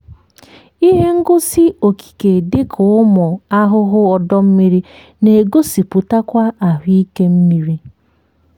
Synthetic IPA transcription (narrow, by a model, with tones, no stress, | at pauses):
i˦ɦe˦ŋ̩˦ɡʊ˦si˦o˨ki̥˨ke˨de˦kʰʊ˨ʊ˦mʊ˨a˦ɦʊ˦ɦʊ˦ɔ˨dɔ˦m̩˦mi˦ɾi˦ | ne˨ɡo˦si˨pu˨ta˦kʷa˦a˨ɦʊ˦i˦ke˦m̩˦mi˦ɾi˦